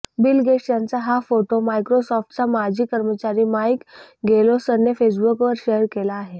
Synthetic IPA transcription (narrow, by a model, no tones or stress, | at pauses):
bilɡeʂʈjant͡saɦafoʈomajkɾosɔfʈ̚t͡samad͡ʑʱiːkəɾmət͡ɕaɾiːmajkɡʱelosənːefes̬bukʋəɾɕeɾkelaːɦe